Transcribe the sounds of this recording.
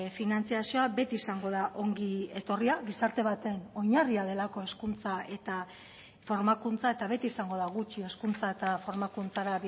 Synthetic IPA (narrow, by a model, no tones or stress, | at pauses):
finant͡siasio̞abe̞t̪iːsaŋɡo̞ðaʔo̞ŋɡie̞t̪o̞riaɣisaɾt̪e̞β̞at̪e̞no̞ɲariað̞e̞lako̞e̞skunt͡sae̞t̪a | fo̞ɾmakunt͡sae̞t̪aβe̞t̪iːsaŋɡo̞ð̞aɣut͡ʃie̞skunt͡sae̞t̪afo̞ɾmakunt͡saɾa